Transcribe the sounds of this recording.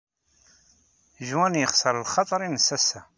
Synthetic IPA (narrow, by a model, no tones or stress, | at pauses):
ʒwænjəχsəɾˤəlχɑt̪ˤɾˤinəsːæsæ